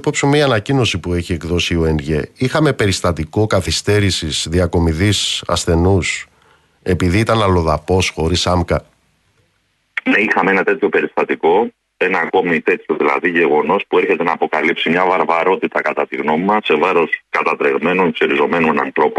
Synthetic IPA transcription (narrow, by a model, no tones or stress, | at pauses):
popsumeiɐnɐcino̞sipue̞çie̞kðo̞sio̞e̞nʝe̞ixɐme̞pe̞ɾist̪ɐt̪iko̞kɐθist̪e̞ɾisisðiɐko̞miðisɐ̰sθe̞nus | e̞piðiit̪ɐnɐlo̞ðɐpo̞sxo̞ɾisɐmkɐ | neixɐmeenɐt̪e̞t̪ço̞pe̞ɾist̪ɐt̪iko̞ | e̞nɐːko̞mit̪e̞t̪çoðilɐ̰ðiʝe̞ɣo̞no̞spue̞ɾçe̞t̪e̞nɐːpo̞kɐlipsimɲɐvɐɾvɐɾo̞t̪it̪ɐkɐt̪ɐt̪iɣno̞mimɐse̞vɐɾo̞skɐt̪ɐt̪ɾeɣme̞nonseɾizo̞me̞nonɐ̰nθɾo̞p